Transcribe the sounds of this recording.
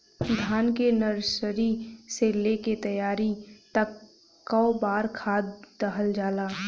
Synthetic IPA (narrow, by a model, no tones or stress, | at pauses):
d̪ʱaːnkenəɾsəɾiseleket̪əjaːɾit̪əkː | aobaːɾkʰaːd̪ːəɦəld͡ʒaːlaː